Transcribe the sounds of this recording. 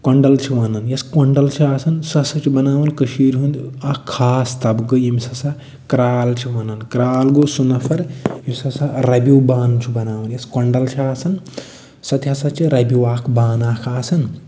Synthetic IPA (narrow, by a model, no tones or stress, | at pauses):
kɐɳɖɐlt͡ʃʰiʋɐnɐnjɐskɐɳɖɐlt͡ʃʰiaːsɐnsɐsɐt͡ʃʰibɐnaːʋɐnkəʃiːɾɦund̪ɐkʰːaːst̪ɐbɡɨjimsɐsa | kɾaːlt͡ʃʰiʋɐnɐnkɾaːlɡosunɐpʰɐɾjimʲsɐsaɾɐbʲiwbaːnt͡ʃʰibɐnaːʋɐnjɐskɐɳɖɐlt͡ʃʰiaːsɐn | sɐt̪jasɐt͡ʃʰiɾɐbʲiwaːkʰbaːnaːkʰaːsɐn